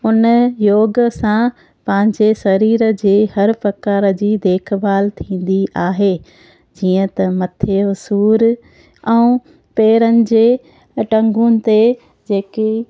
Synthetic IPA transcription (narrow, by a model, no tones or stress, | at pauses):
ʊnjoːɡsã | pɐ̃ɦɪ̃ɲd͡ʑesɐɾiːɾə̆d͡ʑeːhɐɾfɐkaːɾə̆d͡ʑiːd̪eːkʰbaːlt̪ʰĩːn̆d̪iʔaːɦe | d͡ʑiːə̃t̪ɐmɐt̪ʰeʊsuːɾ | ɛũ | peːɾənɪ̆d͡ʑeː | ʈɐ̃ŋɡʊnɪ̆t̪e | d͡ʑeːki